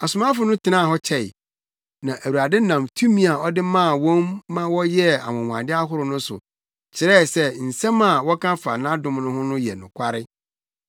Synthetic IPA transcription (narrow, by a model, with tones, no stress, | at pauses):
a˨sʊ˨mã˦fʊ˨nʊ̃˦tʰɪ˨nã˦˨ɦɔ˦t͡ɕʰɛ˨ɪ̰˨ | nã˨ʔæ˨wu˨ɾa˨dɪ˦nã˨mtʰu˦mĩ˦a˨ɔ˦dɪ˦mã˦˨wɔ̃˦mːã˦wɔ˦jɛ˦a̰˨wʊ̃˨wã̰˨dɪ˦a˦ɦʊ˦ɾʊ˨nʊ̃˦sʊ̰˨ | t͡ɕʰɪ˨ɾɛ˦˨sɛ˦n̩˨sɛ̃˦mã˦˨wɔ˦kʰã˦fa˨nã˦dʊ̃˦mnʊ̃˦ɦʊ̃˦nʊ̃˦jɛ̰˨nʊ̃˨kʰʷa˦ɾɪ˦